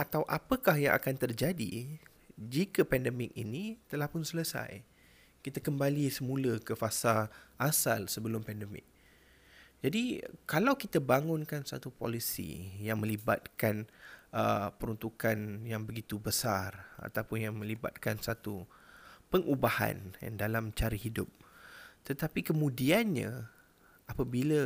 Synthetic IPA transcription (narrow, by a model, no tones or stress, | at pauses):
ʔat̪awʔapəkahjaŋʔa̰kant̪ərd͡ʒadḭ | d͡ʒikəpɛndəmɪk̚ḭnit̪əlahpʊnsələsa̰j | kit̪akəmbalisəmũləkəfasaʔasalsəbəlʊmpɛndəmɪ̰k̚ | d͡ʒadikalawkit̪abaŋʊnkansa̰t̪upo̰lisḭjaŋmə̃liba̰t̪̚kanəpəɾunt̪ukanjaŋbəɡit̪ubəsara̰t̪awpʊnjaŋmə̃liba̰t̪̚kansat̪u | pəŋʔubaha̰nja̰ŋdalamt͡ʃaɾəhidʊp̚t̪ət̪apikəmũdianɲã̰ | ʔapabilə